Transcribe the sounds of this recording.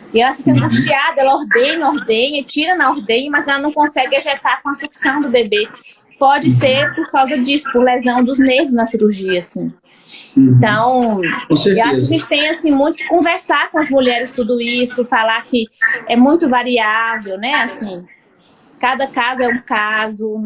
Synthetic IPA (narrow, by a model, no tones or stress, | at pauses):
ɪɛlɐfikɐkɐ̃st͡ʃiad̪ɐɛlɐɔɾd̪ẽnɐɔɾd̪ẽɲɐit͡ʃiɾɐnɐoɾd̪ẽɲɐmɐzɛlɐnɐ̃w̃kõsɛɡɪaʒɛt̪aɾkõɐsuksɐ̃w̃d̪ʊbebe | pɔd͡ʒɪseɾpoɾkawzɐd͡ʒisʊ̥poɾlezɐ̃w̃d̪ʊzneɾvʊznɐsiɾuɾʒiɐasĩ | ẽt̪ɐ̃w̃õseɾewaʃkkaʒẽnt͡ʃɪ̥t̪ẽj̃asĩmũj̃t̪ʊ̥kɪ̥kõvɛɾsaɾkõɐzmuʎɛɾɪst̪ud̪ʊisʊfalaɾkɪɛmũj̃t̪ʊvaɾiavewnɛasĩ | kad̪ɐkazʊɛũkazʊ